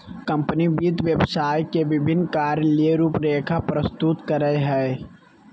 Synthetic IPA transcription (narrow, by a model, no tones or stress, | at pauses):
kə̃mpənibiːt̪ʋjəbsaːjkeʋɪbʱɪnːkaːɾjəlieɾuːpɾeːkʰapɾəst̪ut̪kəɾəɦɛː